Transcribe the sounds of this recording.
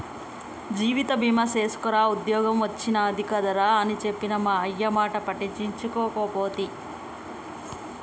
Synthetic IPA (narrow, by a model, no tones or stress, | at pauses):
d͡ʒiːʋit̪ɐbʱimɐse̞ːsu̥kɐɾaːud̪jɔːɡɐmʋɐt͡ʃːinɐːd̪ʱikɐd̪ɐɾaːɐnit͡ʃe̞pːinɐmaːɐjːɐmaːʈɐpɐʈit͡ʃiɲt͡ʃukɔːkoːpoːt̪i